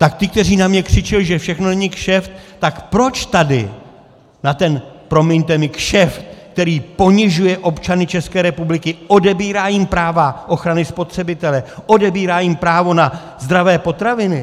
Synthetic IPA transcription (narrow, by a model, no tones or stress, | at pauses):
t̪akt̪ɪk̚t̪ɛriːnamɲɛkr̝̥ɪt͡ʃɪlɪʒɛfʃɛxno̞nɛɲɪkʃɛft̪t̪akpɾo̞t͡ʃt̪adɪ̰ | nat̪ɛn | pɾo̞mɪɲt̪ɛmɪkʃɛfk̚t̪ɛɾiːpo̞ɲɪʒujɛʔo̞pt͡ʃanɪt͡ʃɛskɛːɾɛpublɪkɪʔo̞dɛbiːɾaːjɪmpɾaːvaʔo̞xɾanɪspo̞t̪r̝̥ɛbɪt̪ɛlɛʔo̞dɛbiːɾaːjɪmpɾaːvo̞na | zd̪ɾavɛːpo̞t̪ɾavɪnɪ